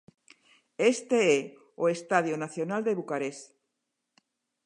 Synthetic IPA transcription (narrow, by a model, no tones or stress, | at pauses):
est̪ee | oest̪aðjonaθjonald̪eβukaɾes